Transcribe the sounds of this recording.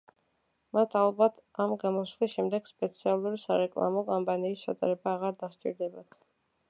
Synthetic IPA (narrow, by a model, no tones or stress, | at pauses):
mat̪ʰalˠbat̪ʰamɡamɔslisʃɛmd̪ɛɡ̥spʼɛt̪sʰialˠuɾisaɾɛkʼlˠa̰mɔkʼɔmpʼaniːst͡ʃʰat̪ʼa̰ɾɛbaːʁaɾd̪ast͡ʃʼḭɾd̪ɛbat̪ʰ